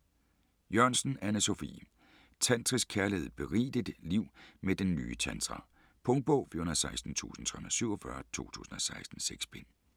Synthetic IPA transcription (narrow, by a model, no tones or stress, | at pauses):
jœɐ̰nsn̩ænəso̝fḭː | t͡sʰænt͡sʰʁiskʰæɐleð̩ˠb̥e̝ʁḭːd̥id̥liʊ̰med̥enːy̰ːət͡ɕʰænsʁɑ̰ | pʰɔ̽ŋ̥̚b̥ɔʊfiɐonɐðˠsɑ̈ɪsd̥n̩t͡sʰṵːsn̩t͡sʰɒhon̩ˠɐsyʊ̰ɒfɶɐt͡sʰo̝̰ːt͡sʰṵːsn̩ɒ̽sɑ̈ɪsd̥n̩seɡ̥sb̥e̝n